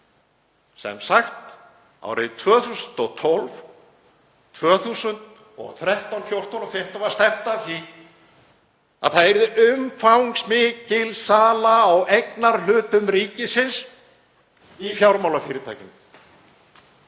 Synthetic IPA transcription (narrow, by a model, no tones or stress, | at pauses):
sɛ̰msaxt̪ | a̰wɾɪt̪ʰvœːθusʏnt̪ɔɣt̪ʰɔlv | t̪ʰvœːθusʏnt̪ | ɔ̰ɣθɾɛht̪awnfjowr̥t̪awnɔfɪm̥t̪avast̪ɛm̥t̪aθi | a̰ðθaðɛɾðʏʔʏmfawŋsmɪːcɪlsaːlaːwejknaɾ̥l̥ʏːt̪ʏmɾiːcɪsɪns | ifjawɾmawlafɪːɾɪt̪ʰa̰ːjcɪm